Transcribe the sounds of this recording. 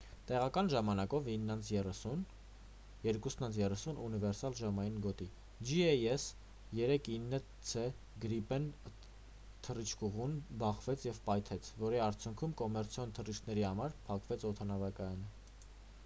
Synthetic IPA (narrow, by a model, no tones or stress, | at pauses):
t̪ɛʁɑkɑnʒɑmɑnɑkɔvinːɑnt͡sʰjɛun | jɛɾkusnɑnt͡sʰjɛrɛsunʔunivɛɾsɑlʒɑmɑjinɡɔt̪i | d͡ʒiɛjɛs | jɛɾɛkʰinːə | t͡sʰɛ | ɡəɾipɛn | t̪ʰərit͡ʃʰkuʁunbɑχvɛt͡sʰjɛvpɑjt̪ʰɛt͡sʰvɔɾiɑɾt͡sʰjuŋkʰumkɔmɛɾt͡sʰjɔnt̪ʰərit͡ʃkʰnɛɾihɑmɑɾpʰɑkvɛt͡sʰɔt̪ʰɑnɑvɑkɑjɑnə